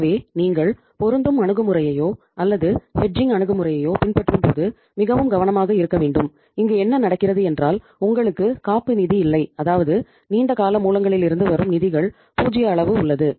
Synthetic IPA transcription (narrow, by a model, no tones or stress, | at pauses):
ʋeːniːŋɡɐɭ | pɔɾɯnd̪ɯmɐɳɯɣɯmɯrɐjɐjoː | ɐlːɐðɯhɛʈ̚d͡ʒɪŋɡɐɳɯɣɯmɯrɐjɐjoːpɪnpɐʈrɯmpo̰ːðɯ | mɪɣɐʋɯmɡɐʋɐnɐmaːɣɐɪɾɯkːɐʋeːɳɖɯm | ɪŋɡeːɛnːɐnɐɽɐkːɪrɐðɯɛndraːl | ʊŋɡɐɭɯkːɯkaːpːɯnɪðiɪlːɐɪɐðaːʋɐðɯ | niːɳɖɐkaːlɐmuːlɐŋɡɐɭɪlɪɾɯnd̪ɯʋɐɾɯmnɪðɪɣɐɭ | puːd͡ʒɪjɐːɭɐʋɯʊɭːɐðɯ